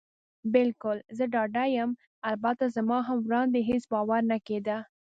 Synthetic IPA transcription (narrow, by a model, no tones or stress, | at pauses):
bɪlkʊlzəɖɑɖajəm | albat̪azamɑɦamwɾɑnd̪eɦesbɑwaɾnaked̪a